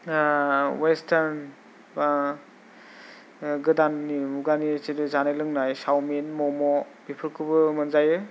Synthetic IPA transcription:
westʰaɾn | ba | ɡɯdanːimuɡanisedɯzanelɯŋnajsawminmɔmɔb̥ipʰɯɾkʰɯbɯmɯnzajɯ

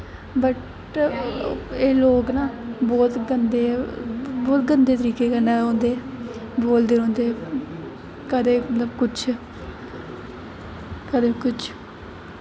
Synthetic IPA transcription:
bəʈ | eːloːɡnaːbɔːt̪ɡənd̪eː | bɔːt̪ɡənd̪eːt̪əɾiːkeːkəneːõːnd̪eːboːld̪eːõːnd̪eː | kəd̪eːmət̪ləbkʊt͡ʃʰ | kəd̪eːkʊt͡ʃʰ

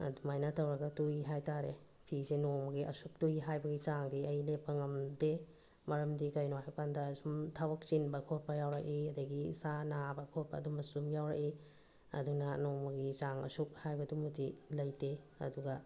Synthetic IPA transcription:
ɐ̰dumajnatʰɐwɾɐɡɐtujɦajtaɾe | pʰisenomɐɡiʔɐ̰suk̚tuiɦajbɐɡit͡ʃaŋdiɐjlepːɐŋɐmde | mɐɾɐmdikɐjnohajkandɐsumtʰawɐk̚t͡ʃinbɐkʰot̚pɐjawɾɐkiɐdɐɡisanabɐkʰot̚pɐ̰ːdumɐsumjawɾɐ̰ki | ɐ̰dunɐnomɐɡit͡ʃaŋɐ̰suk̚hajbɐdumutilɐjteɐ̰duɡɐ

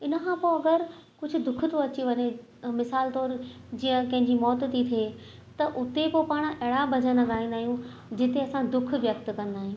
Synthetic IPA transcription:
ɪnəkʰãpoɐɡəɾkʊd͡ʑʱʊ̆d̪ʊkʰʊt̪ʰoɐt͡ɕiʋɐɲe | mɪsaːlt̪ɔːɾd͡ʑiːə̃kɐ̃ɦɪ̃ɲd͡ʑimɔːt̪t̪it̪ʰie | t̪ɐʔʊt̪epopaːɽ̃ʔɛɦɽabʱɐd͡ʑə̃nɐ̃ɡaːɦĩnd̪aːɦijũ | d͡ʑɪt̪eɐsãd̪ʊkʰʋjɐk̚t̪kɐ̃n̆d̪aːɦĩː

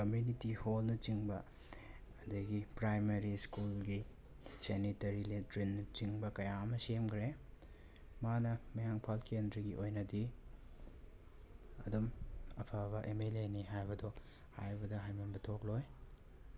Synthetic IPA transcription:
kɐmjunitiholnɐt͡ʃiŋbɐː | dɐɡipɾajmɐɾiskulɡi | senitɐɾiletɾinːɐt͡ʃiŋbɐkɐjaɐmɐsemkʰɾe | manɐmɐjaŋpʰalkendɾɐɡiʔojnɐdi | ɐdumɐpʰɐbɐʔemeleniɦajbɐdo | ha̰jbɐdɐɦajmɐnbɐtʰok̚loj

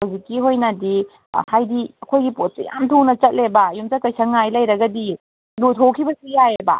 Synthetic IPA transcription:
awzikːiɦojnɐdi | hajdiɐkʰojɡipot̚sija̰mtʰuŋnɐt͡ʃɐt̚lebɐjumt͡ʃɐkɐjsɐŋajlɐjɾɐɡɐdi | lutʰokʰibɐsijajbɐ̰

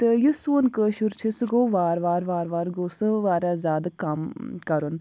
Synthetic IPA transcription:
t̪ɨjusuːnkəːʃuɾt͡ʃʰisɨɡoːʋaːɾʋaːɾʋaːɾʋaːɾɡoːsɨʋaːɾazʲaːd̪ɐkɐmkɐɾun

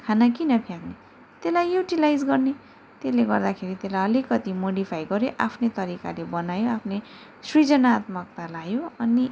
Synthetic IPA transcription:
kʰanakinʌpʰjakne | t̪elajjuʈilajd͡zɡʌrne | t̪eleɡʌrd̪akʰeɾit̪elajʌlikʌt̪imoɽipʰajɡʌɾjoʔapʰnet̪ʌɾika̰lebʌnajoapʰne | srid͡zʌnat̪mʌk̚t̪alajoʌni

